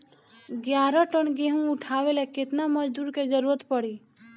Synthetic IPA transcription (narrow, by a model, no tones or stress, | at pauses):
ɡjaɾɔʈənɡeɦũuʈʰabelɛket̪naməd͡ʒd̪uɾked͡ʒəɾuɾət̪pəɽi